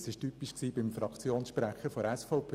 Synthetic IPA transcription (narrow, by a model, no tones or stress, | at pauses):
sɪʃtypiʃksiːbɪmfɾɑkt͡sjoːnsʃpɾæχəfɔɾɛsfɔʊpʰ